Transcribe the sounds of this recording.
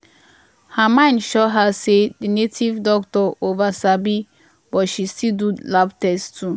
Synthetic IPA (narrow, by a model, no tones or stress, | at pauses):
hamãɪ̃ndʃɔɦasedinetʰivdɔktɔovasabi | bɔtʃistildulaptɛstu